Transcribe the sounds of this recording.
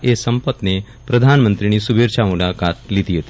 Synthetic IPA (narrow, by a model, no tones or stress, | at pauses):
esəmpət̪ne | pɾəd̪ʱanmənt̪ɾiñiːsubʱeɾt͡ɕʰamulakat̪lit̪iɦet̪i